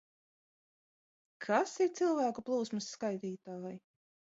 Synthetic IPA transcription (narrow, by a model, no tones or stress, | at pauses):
kʰasiɾt̪silˠvæːkuplˠuːsmɨsːkajt̪iːt̪aːaj